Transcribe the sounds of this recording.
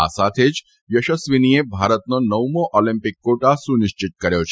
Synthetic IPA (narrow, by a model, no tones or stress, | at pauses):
a̰sat̪ʰed͡ʒ | jəʃəsʋiniebʱaːɾət̪nonəʋmoʔɔlɪ̃mpɪkːoʈasunɪʃt͡ʃɪt̪̚kəɾjot͡ʃʰ